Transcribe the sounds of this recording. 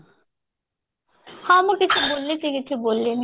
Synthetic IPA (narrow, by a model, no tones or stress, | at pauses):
hɔmukit͡ɕʰubolːet͡ɕʰekit͡ɕʰubolːen